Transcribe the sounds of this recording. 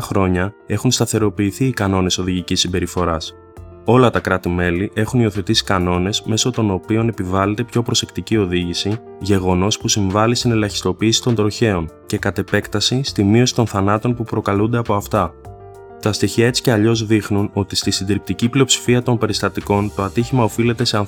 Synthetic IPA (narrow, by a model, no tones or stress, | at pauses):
ɐxɾo̞ɲɐe̞xunst̪ɐθe̞ɾo̞piːθiːkɐno̞ne̞so̞ðiʝicisːimbe̞ɾifo̞ɾɐs | o̞lɐt̪ɐkɾɐt̪ime̞liʔe̞xunio̞θe̞t̪isi̥kɐno̞ne̞sme̞so̞t̪o̞no̞pio̞ne̞pivɐle̞t̪e̞pço̞pɾo̞se̞kt̪icio̞ðiʝisi | ʝe̞ɣo̞no̞spusiɱvɐlist̪ine̞lɐçi̥st̪o̞piːsi̥t̪o̞nd̪ɾo̞çe̞o̞nce̞kɐt̪e̞pe̞kt̪ɐsist̪imio̞si̥t̪o̞nθɐnɐt̪o̞npupɾo̞kɐlund̪e̞ɐpo̞ɐft̪ɐ | t̪ɐst̪içiɐe̞t͡si̥ce̞ɐʎo̞zðixnuno̞t̪ist̪isind̪iɾip̚t̪iciplio̞psi̥fiɐt̪o̞npe̞ɾist̪ɐt̪iko̞nt̪o̞ɐt̪içimɐo̞file̞t̪e̞se̞ɐn